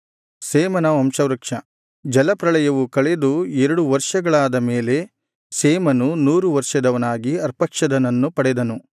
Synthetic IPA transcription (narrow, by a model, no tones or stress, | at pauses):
seːmɐnɐʋɐmʃɐʋɾɐkʂɐ | d͡ʒɐlɐpɾɐɭɐjɐʋukɐɭed̪uɛɾɐɽuʋɐɾʂɐɡɐɭaːd̪ɐme̞ːle̞ | seːmɐnunuːɾuʋɐɾʂɐd̪ɐʋɐnaːɡiɐɾpɐkʂɐd̪ɐnɐnːupɐɽɛd̪ɐnu